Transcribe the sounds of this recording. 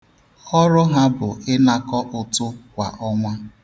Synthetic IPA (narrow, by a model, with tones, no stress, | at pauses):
ɔ˦ɾʊ˦ɦa˦bʊ˨ɪ˦na˦kɔ˦ʔʊ˨tʊ˦kʷa̰˨ʔɔ˦ŋʷa˦